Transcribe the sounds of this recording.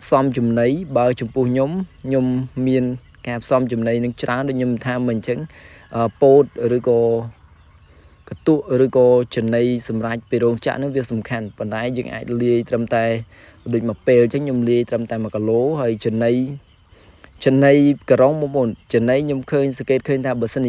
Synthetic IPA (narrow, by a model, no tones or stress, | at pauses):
pʰsɑmt͡ɕumnɨjɓaət͡ɕɑmpʊ̆əhɲomɲomːiən | kaːpʰsɑmt͡ɕumnɨjnɨŋt͡ɕraənɗoːc̚ɲomt̪ʰaːmɨəɲt͡ɕəŋ | ʔəːpoːt̪̚rɨːkɑː | kat̪uəʔrɨːkɑːt͡ɕənɨjsɑmrac̚piːɾɔːŋt͡ɕa̰ʔnɨŋʋiəsɑmkʰanpont̪aɛjəːŋʔa̰ːc̚liəjt̪rəmt̪aɛ | ɗoːc̚mapeːlt͡ɕəŋɲomliəjt̪rəmt̪aɛmakːaloːɦaəjt͡ɕəənɨj | t͡ɕənːɨjkəɾoŋmumʊnt͡ɕɨənəjɲomkʰəːɲsɑŋkeːt̪̚kʰəːɲt̪ʰaːɓaəsən